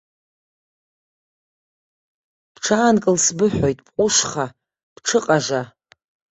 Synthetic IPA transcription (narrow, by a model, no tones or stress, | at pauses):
pʰʈ͡ʂʰaːnkʼɨlsbɨħʷᶣojtʼpqʷʼʊʂχa | pʈ͡ʂʰɨqʼaʐa